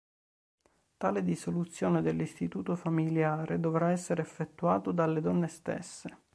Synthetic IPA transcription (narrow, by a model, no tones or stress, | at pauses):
t̪aːled̪isolut̪sːjoːned̪elːist̪it̪uːt̪ofamiljaːɾʔed̪ovɾaɛsːeɾeːfːet̪ːua̰ːt̪od̪alːed̪ɔnːest̪ḛsːe